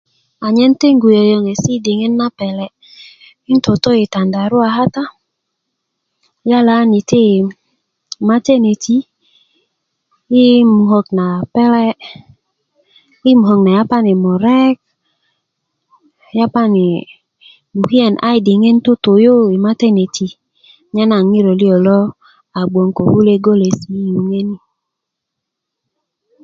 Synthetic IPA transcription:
a˨ɲɛ˦n˦te˦ŋ˦ɡu˨je˨jo˨ŋe˨si˦˨de˨ŋe˦nːa˦pɛ˨lɛ˦ | i˦n˦to˨to˦i˨ta˨nda˨ɾo˦a˨ɦa˦ta˦ | ja˦la˨˦ni˨te˦˨ | ma˦te˦ne˨tʰi˦ | i˦mu˨ɦɔ˨k̚na˨pɛ˦lɛ˦ | i˦mu˨ɦɔ˨kna˨ja˦pa˦ne˨mɔ˨ɾɛ˦k̚ | ja˦pa˦ne˨ | mu˨hi˦ɛ˨nʔa̰˦i˨de˨ŋe˦n˦to˦to˨jo˦i˨ma˦tɛ˦ne˨tʰi˨ | ɲa˦na˨ŋi˦ɾɔ˨li˦ɔ˨lɔ˦ | a˨ɡ͡bɔ˨ŋko˨hu˦le˦ɡo˦le˨smi˦ju˨ŋe˦ni˦

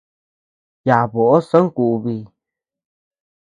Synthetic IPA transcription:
ja˨βo˨ʔo˦sã˦ŋ˦ku˨ʔβi˧˨

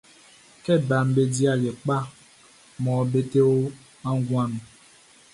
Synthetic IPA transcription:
kɛ˦˨ba˨m̩˦be˦di˦a˦˨le˨k͡pa˦ | mɔ̃˨˦be˦te˦wo˦ | ã˦ŋ˦ɡũ˦a˦nũ˨

